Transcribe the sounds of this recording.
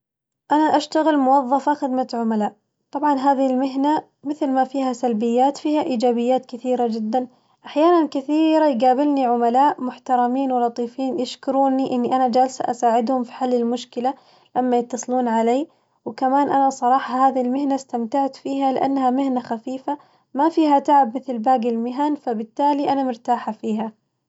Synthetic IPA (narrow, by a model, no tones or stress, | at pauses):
ʔanaʔaʃt̪aɣɪlmʊwɑðˤːɑfaxɪd̪mat̪ʕʊmalaːʔ | t̪ˤɑbʕɑnɦaːðɪɪlmɪɦna | mɪθlmafiːhasalbɪjːaːt̪fiːhaʔiːd͡ʒaːbɪjːaːt̪kɪθiːɾad͡ʒɪd̪ːan | ʔaħjaːnankɪθiːɾajɡaːbɪlniʕʊmalaːʔmʊħt̪ɑɾˤɑmiːnwɪlɑt̪ˤiːfiːnjɪʃkʊɾuːniʔɪnːiʔanad͡ʒalsa̰ʔa̰saːʕɪd̪hʊmfi̥ħalːɪlmʊʃkɪla | lamːajɪt̪ːɑsˤluːnʕaleː | wkamaːnʔanasˤɑɾˤɑːħɑhaːðilmɪhnast̪amt̪aʕt̪fiːɦalɪʔa̰nːhamɪhnaxafiːfa | mafiːɦat̪aʕɪbmɪθlbaːɡɪlmɪɦanfabɪt̪ːaːliʔanamʊɾt̪aːħafiːɦa